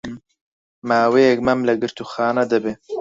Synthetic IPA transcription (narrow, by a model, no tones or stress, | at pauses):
maːwejɛk̚mɐmlɐɡɨɾt̪uxaːnɐd̪ɐbeː